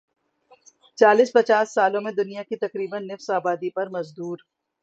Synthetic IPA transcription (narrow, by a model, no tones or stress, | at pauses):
t͡ʃaːliːspɐt͡ʃaːsːaːlõmẽd̪ʊnijakit̪ɐkɾiːbənːɪfsaːbaːd̪ipɐɾmɐzd̪uːɾ